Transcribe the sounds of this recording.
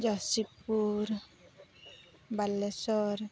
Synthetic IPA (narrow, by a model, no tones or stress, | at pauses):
d͡ʒasipuɾ | balːesɔɾ